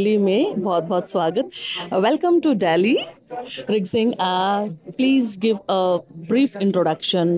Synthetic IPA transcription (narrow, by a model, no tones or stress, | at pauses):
limẽbɔːt̪̚bʱɔːt̪sʋaːɡət̪̚ʋɛlkə̃mʈuɖɛːli | ɾɪɡzɪ̃ŋapliːzɡɪʋəbɾiːfɪ̃ɳʈɾoɖɐkʃə̃n